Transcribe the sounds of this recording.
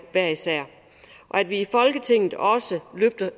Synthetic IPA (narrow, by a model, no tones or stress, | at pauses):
ʋæɐ̰isæɐ̰ | ʔɒ̽æd̥ʋiːfɒ̽lɡ̥ət͡sʰe̝ŋ̰ð̩ˠɒ̽səløb̥̚d̥ɐ